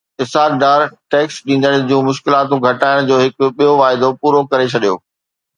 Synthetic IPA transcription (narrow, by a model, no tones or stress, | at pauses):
ɪsaːɾɖaːɾʈɛːksɗĩːnd̪əɽ̃d͡ʑũːmʊʃkɪlaːt̪ũɡʱɐʈaːɪɽ̃d͡ʑoːɦɪkʊɓijoʋaːɪd̪opuːɾokɐɾet͡ɕʰɐɗijo̰ː